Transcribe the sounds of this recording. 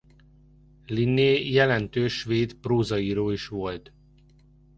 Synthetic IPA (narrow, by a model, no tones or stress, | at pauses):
linːeːjɛlɛnt̪øːʃʋeːd̪proːzɒiːɾoːiʃʋo̞lt̪